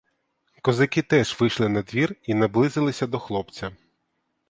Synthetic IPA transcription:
kɔzɐkʲit̪ɛʒʋɪʃlˠɪnɐd̪ʋʲirinɐblˠɪzɪlˠɪsʲɐd̪ɔxlˠɔpt͡sʲɐ

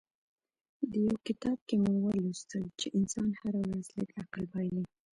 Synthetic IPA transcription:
d̪əjawkɪt̪ɑb̚kemowəlust̪əlt͡ʃeʔɪnsɑnhaɾawɾazləkaqlbɑjli

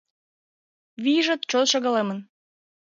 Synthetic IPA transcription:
βiʒət̪̚t͡ɕolʃəɣəlemən

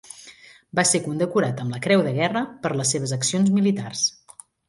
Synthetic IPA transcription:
basekund̪əkuɾat̪əmləkɾɛwðəɣɛrəpəɾləsːeβ̞əzəksionzmilit̪ars

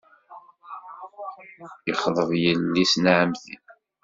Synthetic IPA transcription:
əχðˤəðˤjəlːisnʕəmðḭn

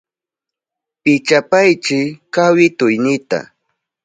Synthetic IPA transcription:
pɪt͡ʃapajt͡ʃɪkawɪt̪ʊjnɪt̪a̰

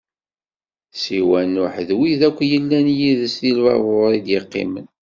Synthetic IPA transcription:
siwænʊħðwiðækʷːjəlːænjiðəsθilwɑ̰ðoɾˤid̪jɪqːɪ̰mən

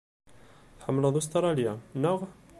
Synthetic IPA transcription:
θħəmːlɑðˤus̬t̪ɑɾˤɑljanəʁ

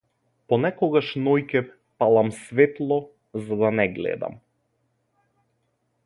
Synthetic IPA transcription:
pɔnɛkɔɡaʃnɔjkɛ | palˠamsvɛt̪lˠɔ | zad̪anɛɡlɛ̰d̪a̰m

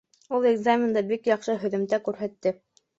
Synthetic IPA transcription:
ulˠeɡzamʲɪnd̪ɤbikjɑqʃɤɦɵ̆ðɘ̆mt̪ækʉɾɦæt̪ːɘ

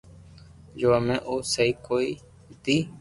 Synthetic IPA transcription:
d͡ʒoamẽːʔoːsəiːkoːiː | t̪iː

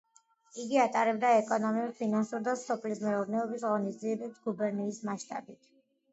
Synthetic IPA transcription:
iɡiat̪ʼaɾɛbd̪aɛkʼɔnɔmiuɾpʰinansuɾd̪ast̪ɔpʰlismɛuɾnɛɔbisʁɔnisd̪ziɛbɛpsɡubɛɾniːsmaʃt̪ʼa̰bit̪ʰ

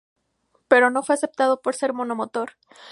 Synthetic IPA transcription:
pe̞ɾo̞no̞fwe̞ase̞p̚t̪að̞o̞po̞ɾse̞ɾmo̞no̞mot̪o̞ɾ

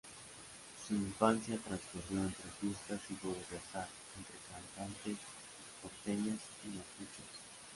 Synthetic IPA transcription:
suiɱfansjat̪ɾansfuɾjoent̪ɾefust̪asiβoɾβasaɾ | ent̪ɾekant̪ant̪es | oɾt̪eʎas | imatut͡ʃos

